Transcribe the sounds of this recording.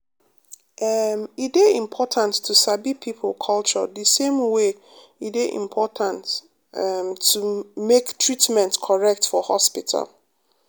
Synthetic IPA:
ʔamideĩmpʰɔtʰãntʰːusabipʰipʰl̩kʰɔlt͡ʃɔ̰ðisẽmwe | ideʔḭ̃mpʰɔtʰãnt | umektʰɹitmɛ̃ntkʰɔɹɛk̚tfɔhɔ̰spitʰa̰l

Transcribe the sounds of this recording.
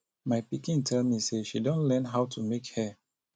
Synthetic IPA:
maɪpikĩntʰɛlmiseʃidõnlɛnɦaʊtumekhɛ

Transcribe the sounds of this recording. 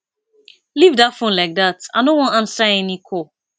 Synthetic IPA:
livdafõnlaɪk̚data̰nõwɔ̃nãnsaɪɛnikʰo

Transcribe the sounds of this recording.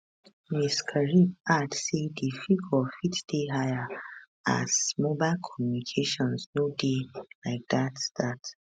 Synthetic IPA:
miskʰəɹibadsedifiɡɔfitd̥eɦajə | a̰zmobaɪlkʰɔmjunikʰeʃɔ̃nsnodelaɪk̚datstat

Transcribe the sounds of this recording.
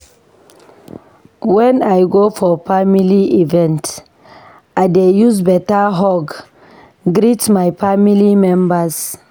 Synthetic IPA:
wɛ̃najɡofɔfamiliivɛ̃nt | ajdejuzbɛtaɦɔɡ | ɡɾitmajfamilimɛ̃mbas

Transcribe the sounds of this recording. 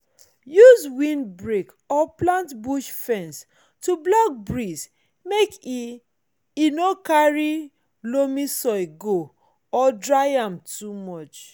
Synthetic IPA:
juzwĩnbɹek | ɔplãntbuʃfɛ̃ns | tublak̚bɹis | meki | inokaɹi | lomisɔɪɡo | ɔdɹaɪãmtumɔt͡ʃ

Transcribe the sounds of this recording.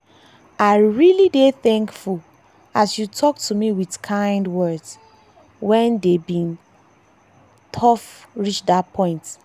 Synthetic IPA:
aɪɹilideθɛ̃ŋkful | asjutʰɔk̚tumiwidkʰãɪ̃ndwɜds | wɛ̃ndebĩn | tʰɔfɹit͡ʃdapʰɔ̃ɪ̃nt

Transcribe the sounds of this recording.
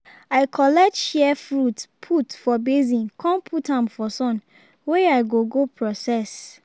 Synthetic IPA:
ajkʰɔlɛk̚tʃɛfɹutpʰutfɔbezĩnkʰɔ̃npʰutãmfɔsɔ̃n | weaɪɡoɡopʰɹɔsɛs

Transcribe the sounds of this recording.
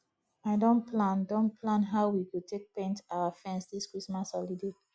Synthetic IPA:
aɪdõnpʰlãndõnpʰlãnɦaʊwikutʰek̚pẽntaʊafɹɛ̃nsdiskɹismashɔlidi

